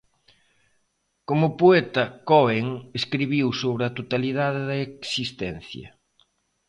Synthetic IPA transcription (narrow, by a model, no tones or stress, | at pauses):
komʊpoɛt̪ɐkɔeŋeskɾiβiwsoβɾɪɐt̪ot̪aliðaðɪðɐeksist̪ɛn̟θjɐ̰